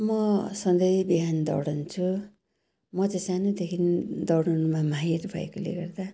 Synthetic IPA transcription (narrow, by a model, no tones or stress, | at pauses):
mʌsʌnd̪ʌjbiɦand̪ʌ̰wɽʌnt͡sʰu | mʌtʌsanod̪ekʰind̪ʌwɽunumamaɦiɾbʱʌ̰ḛkolḛɡʌrd̪a